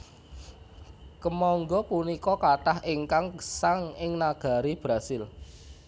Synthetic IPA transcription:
kəmɔŋɡɔpunikɔkaʈahʔɪŋkaŋɡə̥saŋɪŋnaɡ̥a̤ɾib̥ɾasɪl

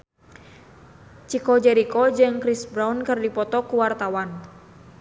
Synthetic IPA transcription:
t͡ʃikɔd͡ʒɛɾikɔd͡ʒɨŋkɾisbɾaunkɨrdipɔt̪ɔkuwart̪awan

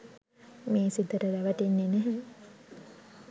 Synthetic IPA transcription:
meːsid̪əɾəlæʋət̪enːenæɦɛ̃

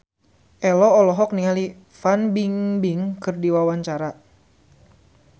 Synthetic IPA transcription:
ʔɛlɔɔlɔɦɔk̚niŋali | fanbiŋbiŋkɨrdiwawaɲt͡ʃaɾa

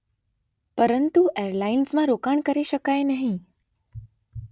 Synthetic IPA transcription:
pəɾənt̪uʔeəɾlainsmãɾokaɳkəɾeɕəkajnaɦĩ

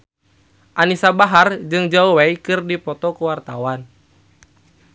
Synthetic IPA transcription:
ʔanisabaɦard͡ʒɨŋd͡ʒauwaikɨrdipɔt̪ɔkuwart̪awan

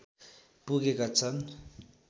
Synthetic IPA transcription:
pukekat͡san

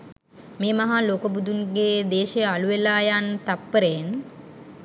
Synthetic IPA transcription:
meːmɐɦaloːkəbud̪unɡeːd̪eːʃejaluʋelaːjant̪apːəɾejen

